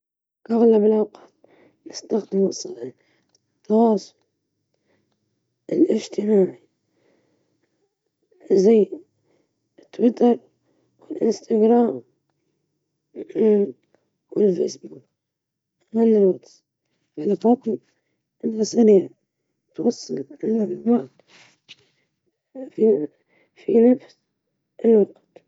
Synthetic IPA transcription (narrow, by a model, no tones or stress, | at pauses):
ʔɑɣlabɪlʔawqɑ̥ːt̪̚ | nɪst̪axd̪ɪmɨsˤːɑħi | t̪ːɑwɑːsˤʊ̥l | ɪlʔɪd͡ʒt̪ʰɪmaːʕi | zajː | ɪt̪ːwɪt̪ɑɾˤ | wɪlʔɪ̰nst̪aɡɾaːm | wɪlfḛːsbuːk | malːɪlwɑqs | balfɑt̪ˤ | ʔɪnasaɾiːʕ | t̪wɑsˤːɑlʕɪlːawat̪ | fi | finafs | ʔɪlwɑɡt̪